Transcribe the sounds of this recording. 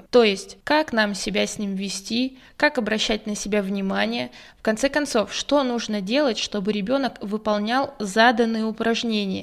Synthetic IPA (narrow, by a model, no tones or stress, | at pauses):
t̪o̞jɪsʲtʲkaknamsʲɪbʲæsʲnʲimvʲɪsʲtʲi | kakɐbɾɐɕːæt̚ʲnəsʲɪbʲavnʲɪmanʲɪjə | fkɐnt̪sɛkɐnt̪so̞fʂt̪o̞nuʐnədʲe̞lˠətʲʂt̪o̞bɨɾʲɪbʲo̞nəkvɨpɐlˠnʲalˠzad̪ənːɨjəʊpɾɐʐnʲenʲɪjə̰